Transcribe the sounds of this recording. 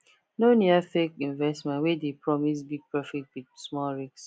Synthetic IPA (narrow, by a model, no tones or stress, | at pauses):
noniafekĩnvɛstmɛ̃nwedepɹɔmis̬biɡ̚pɹɔfitwidsmɔɹiks